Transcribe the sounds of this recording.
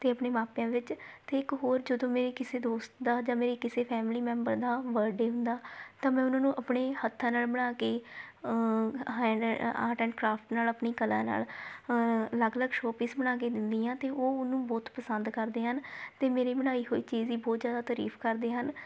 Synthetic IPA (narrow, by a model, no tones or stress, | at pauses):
t̪eːəpɳeːmaːpjãːʋɪt͡ʃt̪eːɪkɦoːɾd͡ʒəd̪õːmeːɾeːkɪseːd̪oːst̪d̪aːd͡ʒãːmeːɾeːkɪseːpʰɛːmliːmɛ̃ːmbəɾd̪aːʋəɾɖeːɦʊ̃nd̪aːt̪ãːmɛ̃ːʊnãːnũːʔəpɳeːhət̪ʰːãːnaːlbəɽaːkeː | ɛa̰ːʈɛ̃ːɳɖkɾaːpʰʈnaːləpɳiːkəlã̰ːna̰ːl | ləɡləɡʃoːpɪ̃sbəɽ̃aːk̬eːd̪ɪnd̪iːãːt̪eːʔoːʊnũːbɔːt̪pəsənd̪kəɾd̪eːɦənt̪eːmeːɾeːbəɽ̃aːiːɦoːiːt͡ʃiːziːbɔːt̪zjaːd̪aːt̪əɾḭːpʰkəɾd̪eːɦən